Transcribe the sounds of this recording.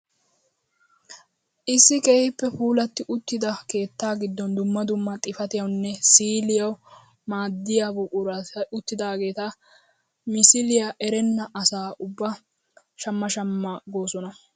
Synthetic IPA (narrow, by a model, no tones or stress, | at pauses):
ʔɪsːɪkeːhɪpːɛfuːlɐt̪ːɪʔʊt̪ːɪd̪ɐke̞ːt̪ːaːɡɪd̪ːɔnd̪ʊmːɐd̪ʊmːɐt̪ʼɪfɐt̪ɪjɐwnːɛsiːlɪjɐw | maːd̪ːɪjabɔʔʊɾɐʊt̪ːɪd̪aːɡe̞ːt̪ɐ | mɪsɪlɪjɐʔɛɾɛnːɐʔɐsaːʔʊbːɐ | ʃɐmːɐʃɐmːɐɡo̞ːsɔnɐ